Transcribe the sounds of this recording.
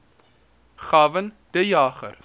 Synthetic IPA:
χɑːvən | d̥əjɑːχə̰r

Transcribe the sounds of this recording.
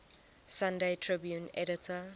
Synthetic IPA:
sãndetʰɹibjũnɛɾɪtʰə

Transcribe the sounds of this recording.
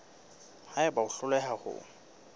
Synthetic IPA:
haɪbaʊɬʊlɛɦahʊ̰

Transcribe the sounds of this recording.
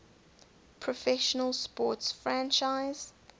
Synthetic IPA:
pʰɹ̥ɔfɛʃənəlˠspɔˑtsfɹãnt͡ʃaɪz̥

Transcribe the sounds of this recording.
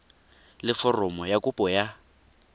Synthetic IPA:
lɪfɔrɔmɔjakʊpʼɔja

